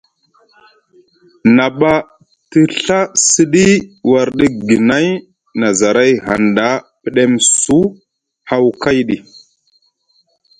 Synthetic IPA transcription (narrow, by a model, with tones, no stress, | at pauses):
na˨ɓa˦ | ti˦ɬa˦si˦ɗi˦wa˨ɾɗi˦ɡi˨na˦j | na˨za˨ɾa˦jha̰˨nda˦pi˦ɗe˦msu˦ | ha˦wka˦jɗi˨